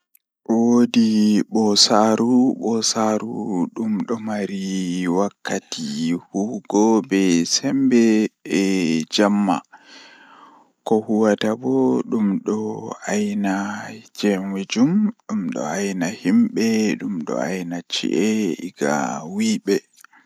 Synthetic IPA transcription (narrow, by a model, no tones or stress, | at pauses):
wodiɓɔsaɾuɓɔsaɾuɗumɗɔmaɾiwakːatihuɡɔbɛsɛmbɛː | d͡ʒamːa̰ | kɔhuwatabɔɗumɗɔajnad͡ʒɛmwed͡ʒumɗumɗɔ̰ajnahimɓɛɗumɗɔ̰ajnat͡ʃːḭʔɛiɡa̰wiɓɛ